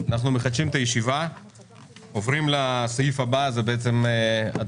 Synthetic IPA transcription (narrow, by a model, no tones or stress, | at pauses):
anaχnume̞χad̪ʃimet̪ajeʃiva | ovʁimlasajifabazebe̞et͡se̞ma